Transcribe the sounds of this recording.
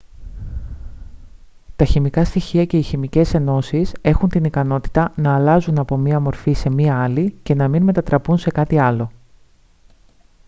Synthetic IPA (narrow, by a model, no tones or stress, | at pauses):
t̪ɐçimikɐst̪içiɐce̞içimice̞se̞no̞sise̞xunt̪inikɐno̞t̪i̥t̪ɐnɐːlɐzunɐpo̞miɐmo̞ɾfise̞miɐɐlice̞nɐminme̞t̪ɐt̪ɾɐpunse̞kɐt̪iɐlo̞